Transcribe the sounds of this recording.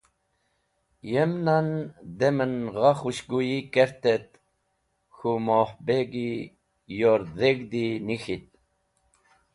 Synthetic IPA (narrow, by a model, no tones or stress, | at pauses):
jemnand̪emənɣɑxuɕɡujikeɾt̪et̪̚ | xumohbeɡi | joɾðeɡd̪inixit̪̚